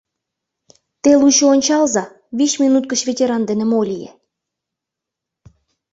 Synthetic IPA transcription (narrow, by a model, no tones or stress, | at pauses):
t̪eluɕoonʲt͡ɕɑlzɑ | βiɕmʲinut̪̚kə̆t͡ɕvʲetʲeɾɑnd̪enĕmolʲijḛ